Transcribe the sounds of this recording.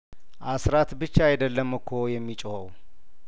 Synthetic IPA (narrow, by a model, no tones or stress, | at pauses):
ʔasɾat̪bɨt͡ʃːaajd̪əlːəmɨkʰojɛmːit͡ʃʼohəw